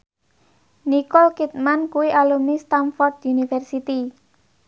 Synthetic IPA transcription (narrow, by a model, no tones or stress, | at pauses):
nikɔlkit̪̚mankuwiʔalumnist̪anfɔrd̪unifɛrsit̪i